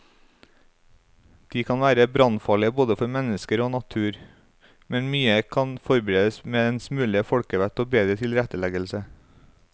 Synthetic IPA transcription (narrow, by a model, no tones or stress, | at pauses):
d̪̥iːkʰɑnʋæːɾəbɾɑnfɑːɭɪəboːd̪əfɔɾmɛnəskəɾoːnɑt̪ʰʉːɾ | mɛnmyːəkʰɑnfɔɾbəɾeːd̪əsmeːd̪ɛnsmʉːlɪəfɔɽkəʋɛt̪oːbeːd̪ɾət̪ʰɪlɾɛt̪əlɛɡəlsə